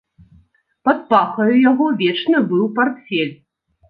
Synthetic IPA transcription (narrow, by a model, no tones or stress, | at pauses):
pɐt̪paxɐjujaɣɔvʲeʈ͡ʂnɨbɨwpɐrt̪fʲelʲ